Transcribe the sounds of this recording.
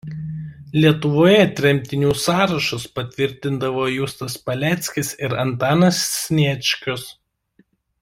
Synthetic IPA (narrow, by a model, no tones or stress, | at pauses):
lʲiɛt̪ʊʋoːjɛt̪ʲɾʲɛmʲt̪ʲɪnʲuːsɑːɾɐʃʊspɐt̪ʲʋʲɪɾʲt̪ʲɪnd̪ɐʋoːjust̪ɐspɐlʲæːt̪sʲkʲɪsɪɾɐnt̪ɑːnɐsːʲnʲiɛt͡ʃʲkʲʊs